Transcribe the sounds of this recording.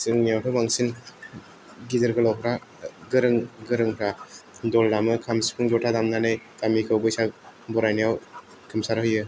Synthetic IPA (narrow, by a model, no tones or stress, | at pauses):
sɯŋnijawtʰɯmaŋsin | ɡidɯɾɡɯlɔpʰɾaɡɯɾɯŋɡɯɾɯŋpʰɾadɔldamɯkʰamsipʰɯŋzɔtʰadamnanɯjtamikʰɯwbɯjsabɔɾajnijaw | kʰɯmsaɾhɯjɯ